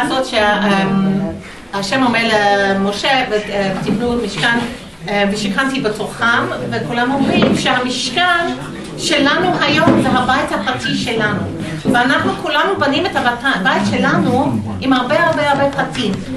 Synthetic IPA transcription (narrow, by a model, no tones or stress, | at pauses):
zotʃeem | haʃemomeʁlemoʃevevtibnumiʃkan | eviʃikantibetoχamvekulamomʁimʃeɦamiʃkan | ʃelanuɦajo̞mzeɦabajthapʁatiʃelanu | veanaχnukulanubanimetavaabajtʃelanu | imhaʁbehaʁbehaʁbepʁatim